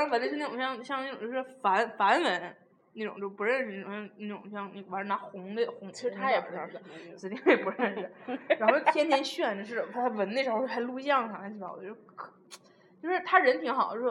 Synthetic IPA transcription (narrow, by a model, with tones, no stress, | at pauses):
fa˧˥n˥ʂ̩˥˧n˥˩ʊ˨˩ɕjɑ˥˧ŋɕjɑ˥˧ŋne˥˩ʈ͡ʂʊ˨˩t͡ɕjo˥˧˩ʂɻ̩˥˩fa˧˥nfa˧˥nwə˧˥n | ne˥˩ʈ͡ʂʊ̰˨˩˦ŋt͡ɕjo˥˧˩pu˧˥ɻə˥˧nʂɻ̩˧ne˥˩ʊ˨˩ɕjɑ˥˧ŋne˥˩ʈ͡ʂʊ̰˨˩ŋɕjɑ˥˧ŋn˥˩a˧˥nʈ͡ʂə˧˥na˧˥xʊ˧˥ŋd̪ə˧xʊ˧˥ŋt͡ɕʰi˧˥ɻ̩˥˧t̪ʰa˥ɛ˨˩pu˧˥ɻ̩˥˩˧s̩˧˥˩i˥˩jɛ˨˩pu˧˥ɻə˥˩nʂɻ̩˩ɻa˧˥nxt̪ʰjɛ˥nt̪ʰjɛ˧˥nɕɥɛ˥˩nə˩ʂɻ̩˥˩ə˨˩t̪ʰtʰa˥˩wə˧˥ne˥˩ɻ̩ʰ˧˥˧a˥ɪlu˥˧˥ɕjɑ˥˩ŋʂʰɑ˨˩ŋkɛ˥nt͡ɕʰi˥˩jɑ̰˨˩˥d̪ə˧jo˥kʰ | t͡ɕjo˥˧ʊʂɻ̩˥˧˩t̪ʰa˥ɻə˧˥nt̪ʰi˧˥ŋxɑ˨˩˦ət͡ɕo˥˧˩